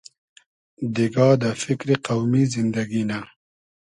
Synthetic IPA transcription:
d̪iɡɑːd̪əfɪkɾiqawmizɪnd̪aɡina

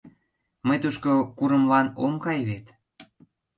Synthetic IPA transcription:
məjt̪uʃkokuɾə̆mlɑnomkɑjβet̪

